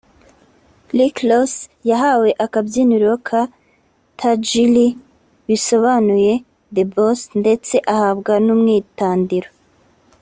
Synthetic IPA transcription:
liklosjaɦawe̞ʔakabjiniɾokʰa | tʰad͡ʒili | βiso̞βanuje̞ | d̪ebosnde̞t͡se̞ʔahabɡanumŋiːtaːndiɾo

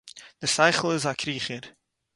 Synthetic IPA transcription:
d̥əsɛɪχl̩ˠɪzakʰɾiːχəɾ

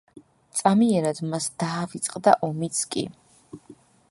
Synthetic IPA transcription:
t̪sʼamiɛɾad̪masd̪̥aːvit̪sʼqʼd̪a̰ʔɔmit̪sʰkʼḭ

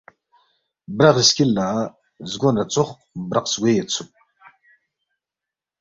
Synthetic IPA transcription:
braʁiskʲɪlːaː | zɡʷonat͡sʷʼʊχʷʼ | braqʼsɡʷejat͡sʷʰʊpʼ

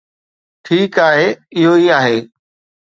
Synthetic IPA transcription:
ʈʰiːkaːɦeːɪɦoiaːɦeː

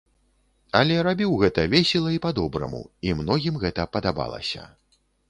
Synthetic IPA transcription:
ɐlʲɛɾabʲiwɣɛt̪ɐvʲesʲɛlˠɐipad̪ɔbɾɐ̰mṵimnɔɣʲimɣɛt̪ɐpɐd̪aba̰lˠɐ̰sʲɐ̰

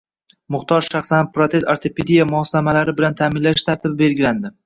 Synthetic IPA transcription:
mʊχt̪ʰɒɾʃaχsanpɾot̪ʰe̞saɾt̪ʰeped̪ijamʊɒslamalaɾɪbɪlant̪ʰaːmɪnlaʃt̪ʰaɾt̪ʰɪbɪbe̞ɾɡʲɪland̪ɪ

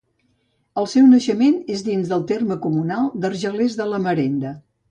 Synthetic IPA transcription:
əlˠsɛwnəʃəmenezðinzðəlˠt̪erməkumunalˠd̪ərʒəlezðələməɾend̪ə

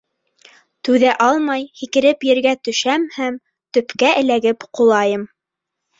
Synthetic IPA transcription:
t̪ʉðæʔɑlˠmɑjhikɘ̆ɾɘpjɘ̆ɾɡæt̪ɵ̆ʃæmhæm | t̪ɵ̆pkæʔɘ̆læɡɘpqulˠɑjɤm

